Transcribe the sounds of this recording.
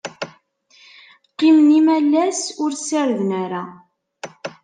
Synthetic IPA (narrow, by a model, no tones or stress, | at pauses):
qːimnimælːæsʊɾsəɾðnæɾa